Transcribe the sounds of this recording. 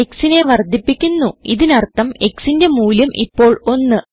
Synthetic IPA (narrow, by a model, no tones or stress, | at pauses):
eksine̞ʋɐrd̪ʱːipːikʲːunːuiðinɐrt̪ːɐme̞ksinde̞muːljɐmʔḭpːo̞ːɭo̞nːɨ